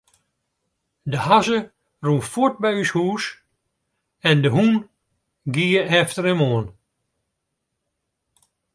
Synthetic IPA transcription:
dəhazə | runfot̚bɛyshuːs | ɛndəɦun | ɡiːəʔɛftəɾəmoən

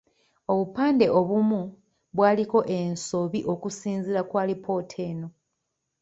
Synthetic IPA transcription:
o̞βupaːnde̞o̞βumu | βwaːliko̞ʔenso̞βiʔo̞kusiːnziɾakwaːlipʰo̞ːtʰe̞ːno̞

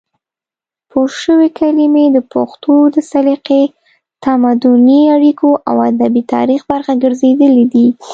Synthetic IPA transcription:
pʰoʃəwekʰalimed̪əpʊxt̪ʰod̪əsaliqe | t̪amad̪ʊniaɽikoʔa̰wad̪abit̪ɑ̰ɾixbaɾxaɡəɾzed̪əlid̪i

